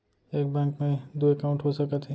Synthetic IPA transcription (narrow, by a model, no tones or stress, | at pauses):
eːk̚bɛ̃ːŋkmẽd̪uekaʊ̃ɳʈɦosəkət̪ʰi